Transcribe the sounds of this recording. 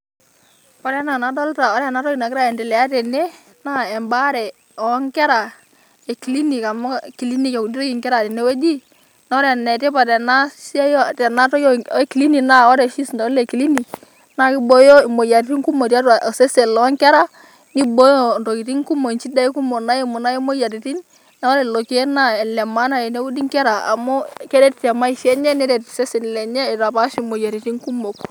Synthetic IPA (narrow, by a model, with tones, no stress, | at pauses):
pa˨ɾɛ˨˦na˨na˨dɔ˦lta˨ɔ˦ɾɛ˦˨na˨˦tɔ˦ki˨na˨kɪ˦ɾa˦ɛ˨ndɛ˨lɛ˨a˦tɛ˨ne˦ | na˦ɛ˨mba˦ɾɛ˨ | ɔ˨˦ŋkɛ˦ɾa˨ | e˨ki˨li˦ni˨ka˨mɔ˦ki˨li˦ni˦ka˨u˨ni˦ɾɔ˦ki˨ŋkɛ˦ɾa˨tɛ˨ne˦we˦di˦ | nɔ˦ɾɛ˨nɛ˨tɛ˦pa˨tɛ˨na˦sa˦jtɛ˨na˦tɔ˦jki˨li˦ni˨na˦˨ɔ˦ɾɛ˨ʃi˦sndɔ˨˦lle˨ki˨li˦ni˨ | na˦ki˦bo˨˦jɔ˦i˨mo˨ja˨ɾi˨ti˦ŋku˦mo˨ta˦ta˨sɛ˦se˨lɔ˨˦ŋkɛ˦ɾa˦ | ni˦bo˦jo˦˨nto˨ki˨ti˦ŋ˦ku˦mo˨nt͡ʃi˦da˦i˦ku˦mo˨na˦je˦mo˨na˦je˦mo˦ja˨ɾi˨ti˦n | na˦ɔ˦ɾɛ˨lo˨ki˨˦ɛ˦na˦ɛ˨lɛ˨ma˦na˦jɛ˨ne˦wu˦di˦ŋkɛ˦ɾa˨a̰˨mɔ˦kɛ˦ɾɛ˦ttɛ˨ma˦i˨ʃɛ˦ɲɛ˦nɛ˦ɾɛ˨tsɛ˦sɛ˨n˨lɛ˨ɲɛ˦ɪ˨ɾa˨pa˨˦ʃi˨mo˨ja˨ɾi˨ti˦ŋku˦mo˨k